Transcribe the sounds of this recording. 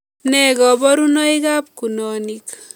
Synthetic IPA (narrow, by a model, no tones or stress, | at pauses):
nɛɡɔbɔɾunɔiɡap̚kunɔnik